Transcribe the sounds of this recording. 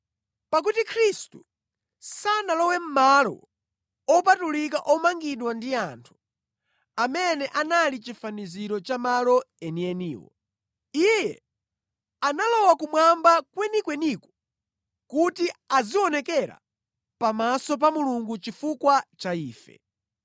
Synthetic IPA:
pak̬utikʰɾistu | sanalɔwɛm̩malɔ̰ | ɔpatulik̬aʔɔmaŋɡiɗwandiantʰu̥ | amɛnɛʔanalit͡ʃifaniziɾɔt͡ʃamalɔɛniɛniːwɔ̰ | ijɛ̰ | analɔwakumwambakwɛnikwɛnikɔ̥ | kutiaziɔnɛkɛɾa̰ | pamasɔp̬amuluŋɡut͡ʃifukwat͡ʃaiːfɛ̰

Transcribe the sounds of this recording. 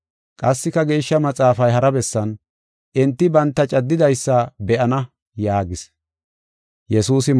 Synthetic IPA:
kʼɐsːɪkːɐɡe̞ːʃːɐmɐt͡sʼaːfɐjɦɐɾɐbɛsːɐn | ʔɪnt̪ːɪbɐnt̪ːɐt͡ʃʼɐd̪ːɪd̪ɐjsːɐbɛʔɐnɐ | jaːɡɪs | jɛsuːsɪ

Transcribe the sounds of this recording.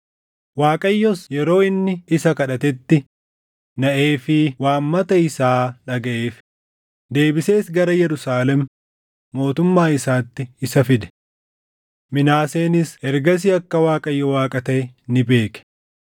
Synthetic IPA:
waːkʼɐjːɔsjɛɾo̞ːɪnːɪɪsɐkɐᶑɐt̪ɛt̪ːɪ | nɐʔe̞ːfɪwaːmːɐt̪ɐɪsaːᶑɐɡɐʔeːf | d̪e̞ːbɪse̞ːsɡɐɾɐjɛɾʊsaːlɛmː | o̞ːt̪ʊmːaːɪsaːt̪ːɪɪsɐfɪd̪ɛ̥ | mɪnaːse̞ːnɪsɛɾɡɐs̬ɪɐkːɐwaːkʼɐjːɔwaːkʼɐt̪ɐnɪbe̞ːkɛ̥

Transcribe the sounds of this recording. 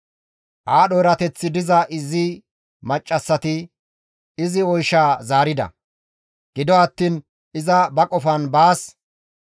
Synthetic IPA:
ʔaːɗɔjɾɐt̪ɛt͡sːɪd̪ɪzɐʔɪzɪ | mɐt͡ʃʼːɐsːɐt̪ɪ | ɪzɪɔjʃaːzaːɾɪd̪ɐ̰ | ɡ̥ɪd̪ɔɐt̪ːiːn | ɪzɐbɐkʼɔfɐnbaːs

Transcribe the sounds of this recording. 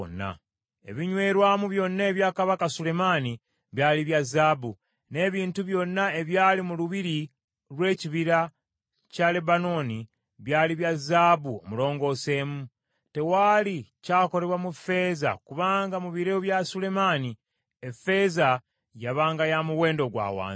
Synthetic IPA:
nːa̰ | e̞̰βiɲwe̞ːɾwaːmuβjo̞nːaːβjaːkaβakasule̞mani | βjaːliβjazaːbu | ne̞βiːntuβjo̞nːae̞βjaːlimuluβiɾi | ɾwe̞ːciβiɾa | cale̞bano̞ːni | βjaːliβjazaːbuo̰mulo̞ːŋɡo̞ːse̞ːmu | te̞waːlicaːko̞ɾe̞βwamufe̞za̰kuβaːŋɡamuβiɾeoβjasule̞mani | efe̞ːza | jaβaːŋɡajamuwe̞ːndo̞ɡwa̰ːwa̰ːi

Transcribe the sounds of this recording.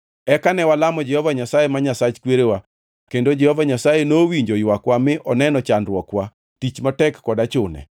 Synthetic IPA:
ɛkanɛwalamɔd͡ʒɛhɔvaɲasajemaɲasat͡ʃkweɾewa | kendod͡ʒɛhɔvaɲasajenowiɲd͡ʒojwakwamɪʔɔnɛnɔt͡ʃanɾwɔkwa | tit͡ʃmatɛkːɔdat͡ʃʊnɛ̰

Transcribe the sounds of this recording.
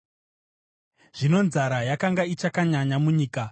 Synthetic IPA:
ʐ̥ino̞nzaɾajakaŋɡait͡ʃakaɲaɲamuɲiːka

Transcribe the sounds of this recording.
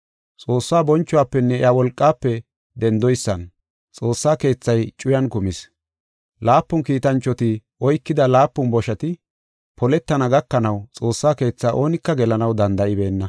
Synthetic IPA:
t͡sʼo̞ːsːaːbɔnt͡ʃːʊwaːpːɛnːɛɪawɔlkʼːaːpːɛ | d̪ɛnd̪ɔjsːɐ̰n | t͡sʼo̞ːsːaːke̞ːt͡sːɐjt͡ʃʼʊjɐnkʊmɪs | laːpːʊnkiːt̪ɐnt͡ʃːɔt̪ɪʔɔjkːɪd̪ɐlaːpːʊnbɔʃɐt̪ɪ | pʰɔlɛt̪ːɐnɐɡɐkːɐnɐwt͡sʼo̞ːsːaːke̞ːt͡sːaːʔo̞ːnɪkːɐɡɛlɐnɐwd̪ɐnd̪ɐʔɪbe̞ːnːɐ

